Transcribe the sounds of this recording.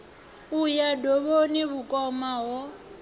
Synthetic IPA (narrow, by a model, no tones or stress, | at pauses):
ujadɔβoniβukʼɔmaɦɔ